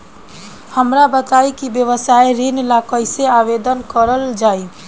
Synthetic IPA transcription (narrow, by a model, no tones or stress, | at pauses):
həmɾabət̪aikibjəʋəsaiɾinlakəjseabed̪ənkəɾəld͡ʒai